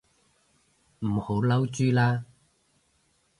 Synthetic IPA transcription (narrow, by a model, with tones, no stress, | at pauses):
m̩˨˩ho˨˥wlɐ˥wt͡ʃyː˥laː˥